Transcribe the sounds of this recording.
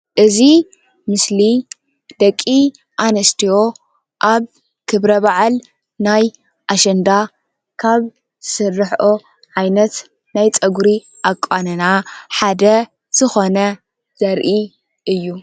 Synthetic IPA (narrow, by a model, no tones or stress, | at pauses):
ʔɨzi | mɨsli | d̪̥ɐkʼːi | ʔanɐst̪ʰijo̞ | ʔaβ | kʰɨβɾɐβaʕal | naj | ʔaʃɛnd̪a | kʰaβ | sɨrːɨħʔo | ʕajnɐt̪ | najt͡sʼɐɡuɾi | ʔakʼːanɨnaħad̪ɐ | z̥ɨxo̞nɐ | z̥ɐɾʔi | ʔɨjːu